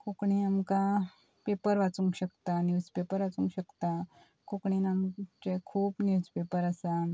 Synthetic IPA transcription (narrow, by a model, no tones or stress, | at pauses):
kʰokɳ̃iamka | pepəɾʋat͡suŋkɕəkt̪anjuːspepəɾʋat͡suŋkɕəkt̪a | kʰokɳinamt͡ɕekʰuːpnjuːspepəɾasa